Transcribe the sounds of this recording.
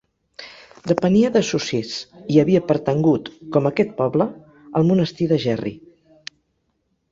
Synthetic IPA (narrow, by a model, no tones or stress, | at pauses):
d̪əpəniəðəsusesiəβiəpəɾt̪əŋɡut̪kɔməkɛt̪̚pɔβlə | əlˠmunəst̪iðəʒɛrḭ